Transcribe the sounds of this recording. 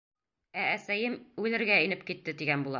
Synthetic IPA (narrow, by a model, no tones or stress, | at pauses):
æːsæjɘmʉlɘ̆ɾɡæɘnɘp̚kit̪ːɘt̪iɡænbulˠɑ